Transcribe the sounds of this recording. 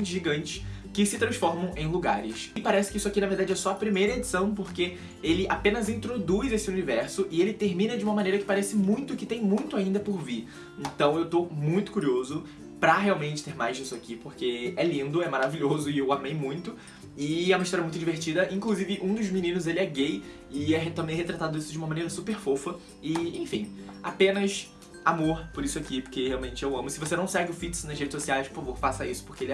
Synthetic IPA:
ɪzʒiɡɐ̃nt͡ʃɪ̥ʃkɪsɪt̪ɾɐ̃sfɔɾmɐ̃w̃ẽj̃luɡa̰ɾɪ̰sɪpaɾɛsɪ̥kɪisʊakinɐveɾd̪ad͡ʒɪɛsɔɐpɾimejɾɐed͡ʒisɐ̃w̃poɾke | elɪʔapẽnɐzĩt̪ɾod̪uzesɪunivɛɾsʊʔɪelɪt̪eɾmĩnɐd͡ʒɪũmɐmɐ̃nejɾɐkɪpaɾɛsɪmũj̃t̪ʊkɪt̪ẽj̃mũj̃t̪ʊaĩnd̪ɐpoɾviɾ | ẽnt̪ɐ̃w̃ewt̪omũj̃t̪ʊ̥kuɾiozʊ | pɾɐɦeawmẽnt͡ʃɪ̥t̪eɾmajzisʊakipoɾkeɛlĩnd̪ʊɛmaɾaviʎʲozʊɪewamejmũj̃t̪ʊ | ɪɛumɐiʃt̪ɔɾjɐmũj̃t̪ʊd͡ʒiveɾt͡ʃid̪ɐʔĩŋkluzivɪʔũd̪ʊzminĩnʊzelɪɛɡej | ɪɛɦt̪ɐ̃mbẽj̃ɦet̪ɾat̪ad̪ʊisʊd͡ʒɪumɐmɐ̃nejɾɐsupeɾfofɐ | ɪẽj̃fĩapẽnɐs | amoɾpʊɾisʊakipʊ̥χkeheawmẽnt͡ʃɪewɐ̃mʊsɪvosenɐ̃w̃sɛɡɪʊfit͡ʃsʊnɐzhed͡ʒɪsosiajsfavoɾfasɐisʊ̥pʊχkeelɪ

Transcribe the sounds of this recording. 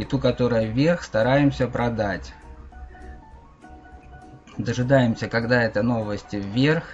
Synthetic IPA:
it̪ukɐt̪o̞ɾʊjʊvʲe̞rxst̪ɐɾajɪmsʲəpɾɐd̪atʲ | d̪əʐɨd̪ajɪmsʲəkɐɡd̪aɛt̪əno̞vəsʲtʲɪe̞rx

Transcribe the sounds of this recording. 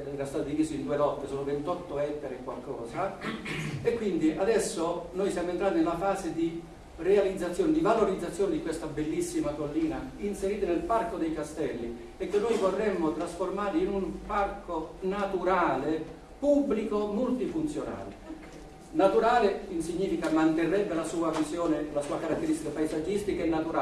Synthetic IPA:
ɛɾast̪aːt̪ʊd̪iviːzoind̪uːelɔt̪ːesoːnovent̪ɔt̪ːoɛt̪ːaɾekːwalkɔːza | ekːwind̪iʔad̪ɛsːonojsjaːmoent̪ɾaːt̪inelafaːzed̪i | realid̪zːat̪sːjoːnɪd̪ivaloɾid̪zːat̪sːjoːnɪd̪ikwest̪abelːisːimakolːiːnainseɾiːt̪ɪnelparkod̪ejkast̪ɛlːi | ekːenːojvorːɛmːʊt̪ɾasformaːɾinunparkonat̪uɾaːle | pubːlikomult̪ifunt̪sjona̰ːlḛ | nat̪uɾaːleinsiɲːiːfikamant̪ɪrːɛbːelasuːavizjoːnelasuːakaɾat̪ːeɾist̪ikapajzad͡ʒːist̪ikaɛnːat̪uɾa

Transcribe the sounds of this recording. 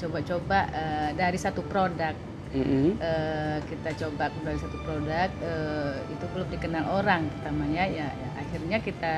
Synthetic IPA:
t͡ʃobat͡ʃobaʔədaɾisat̪upɾodak̪̚ | ʔəkit̪at͡ʃobakdaɾisat̪upɾodak̪̚əit̪ukəlʊk̚dikənaloɾaŋt̪ərt̪amaɲajajaʔahirɲakit̪a

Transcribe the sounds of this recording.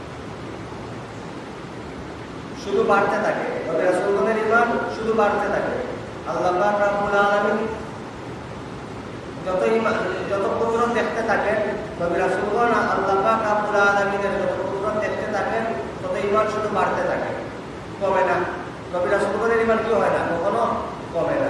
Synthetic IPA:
ʃud̪ʱubaɽt̪ʰet̪ʰakeɡɔbilasuɾɡɔneɾimanʃud̪ʱubaɽt̪ʰet̪ʰakḛ | alːapakɾapulaːlamin | d͡ʒɔt̪ɔimad͡ʒɔt̪oput̪ɾɔd̪ekʰt̪et̪ʰaken | dɔb̪ilasuɾɡɔɾɽ̃aʔalːapakɾapuɾaːd̪amid̪eɾed͡ʒɔt̪ɔpɔput̪ɾɔd̪ekʰt̪et̪ʰakenmɔt̪ɔimanʃud̪ʱubaɽt̪et̪ʰakḛ | kɔbena | kɔbilasuɾubɔneɾibankiɦɔjnamokʰɔnɔ | kɔbena

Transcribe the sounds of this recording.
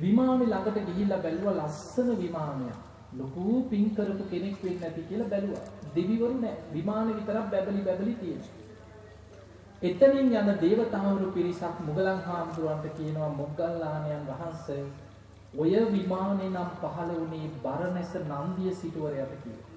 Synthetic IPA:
ʋimaːnelaɡəʈəɡiɦilːabæluʋalas | ənəʋimaːneja̰n | lokupiŋkəɾəpukenekʋenːɛt̪ikiəlabæluʋa̰d̪eʋiʋəɾunɛʋimaːneʋit̪əɾabæbəlibɛbəlit̪ijəna̰ | et̪əniŋjanəd̪eːʋət̪aɦʋəɾupiɾisakmuɡəlaŋɦaːnid̪uɾuʋanʈəkijənuʋamuɡːalːaːnejanʋɐɦansə | ojəʋimaːnenampaɦɐləuneːbaɾənɛsənand̪ijəsiʈuʋəɾejatːəkijə̰l

